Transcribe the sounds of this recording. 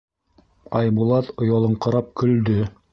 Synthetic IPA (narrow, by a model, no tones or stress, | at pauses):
ɑjbulˠɑt̪ŏjɑlˠɤɴqɤ̆ɾɑp̚kɵ̆ld̪ɵ